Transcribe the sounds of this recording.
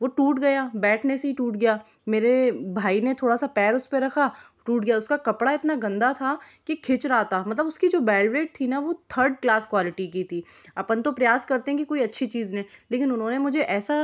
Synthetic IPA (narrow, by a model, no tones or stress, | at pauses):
ʋoʈuːʈɡɐjaːbɛːʈʰneseɦiʈuːʈɡɐjaː | meːɾebʱaːinet̪ʰoːɽasapɛːɾʊspeɾɐkʰa | ʈuːʈɡɐjaʊskakɐpɽaɪt̪naɡɐ̃nd̪at̪ʰa | kikʰɪt͡ʃɾaːt̪aːmɐt̪ləbʊskid͡ʒoːbɛːlʋɾeːʈ̚t̪ʰinaʋot̪ʰəɾɖklaːskwaːlɪʈikiːt̪ʰiː | ɐpənt̪opɾɐjaːskɐɾt̪eɦɛ̃kikoːiɐtːʃʰit͡ʃiːzneẽleːkɪnʊnɦõnemʊd͡ʒʱeʔɛːsa